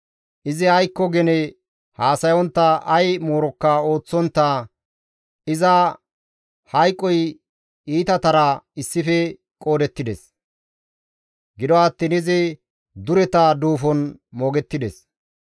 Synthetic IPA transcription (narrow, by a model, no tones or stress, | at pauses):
ʔɪzɪhɐjkːɔɡɛnɛ | haːsɐjɔnt̪ːɐʔɐjmoːɾɔkːɐo̞ːt͡sːɔnt̪ːɐ | ɪzɐ | hɐjkʼːɔj | iːt̪ɐt̪ɐɾɐɪsːɪfɛ | kʼo̞ːd̪ɛt̪ːɪd̪ɛs | ɡɪd̪ɔɐt̪ːɪnɪzɪ | d̪ʊɾɛt̪ɐd̪uːfɔnmoːɡɛt̪ːɪd̪ɛ̰s